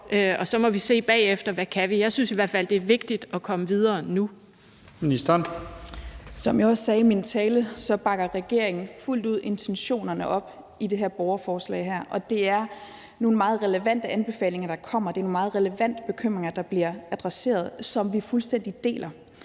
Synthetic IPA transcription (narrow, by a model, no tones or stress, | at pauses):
ʔøɒ̽sɒ̽mɒ̽ʋise̝̰ːb̥ɛ̰ːefd̥ɐʋækʰæʋijɑ̈ɪsynsiʋæɐd̥fæl̰d̥e̝æɐʋe̝ɡ̥̚d̥id̥ɒ̽kʰɒ̽məʋið̞ˠɐːnu | minisd̥n | sɒ̽mjaɒsːɛːimint͡sʰɛːləsɒ̽b̥ɑ̈ɡ̥ɐʁɛɡ̥e̝ɐ̰eŋn̩ful̰d̥uð̞̰ˠʔe̝nt͡sʰenɕo̝̰ːnɐnəʔɒ̽b̥ | id̥e̝ɦæɐb̥ɒʊɐfɒːslɛ̰ɪɦæɐ̰ʔɒ̽d̥e̝æɐ | no̝ːn̩mɑ̈ːð̩ˠʁɛləʋæn̰d̥əænb̥e̝fɛ̰ːle̝ŋɐd̥ɑ̈kʰɒ̽m̰ɐd̥e̝æɐno̝ːnmɑ̈ːð̩ˠʁɛləʋæn̰d̥əb̥e̝kʰøm̰ʁeŋɐd̥ɑ̈b̥liɐæd̥ʁɛse̝̰ːɐð̞ˠsɒ̽mʋifulsd̥en̰d̥id̥e̝̰ːlʔɐ